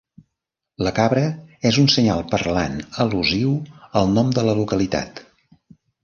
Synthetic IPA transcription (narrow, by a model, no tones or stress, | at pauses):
ləkaβɾəɛzunsəɲalˠpəɾla̰nəluziwəlˠnɔmd̪ələlukəlit̪a̰t̪